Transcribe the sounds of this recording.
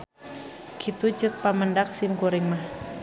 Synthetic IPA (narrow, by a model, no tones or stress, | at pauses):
kʰit̪ut͡ʃət̪̚paməndak̚simkoɾɪŋmah